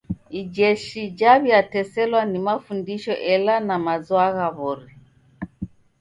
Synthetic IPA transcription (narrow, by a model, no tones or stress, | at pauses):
id͡ʒɛʃid͡ʒaβiatɛsɛlwanimafundiʃɔʔɛlanamazwaɣaβɔɾi